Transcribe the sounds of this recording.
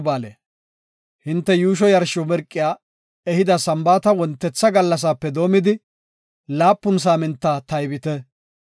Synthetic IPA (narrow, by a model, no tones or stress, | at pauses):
baːlḛ | hɪnt̪ːɛjuːʃ̬ɔjɐɾʃɔmɛɾkʼːɪjaː | ɛhɪd̪ɐsɐmbaːt̪ɐwɔnt̪ːɛt͡sːɐɡɐlːɐs̬aːpːɛd̪o̞ːmɪd̪ɪ | laːpːʊns̬aːmɪnt̪ːaːt̪ɐjbɪt̪ɛ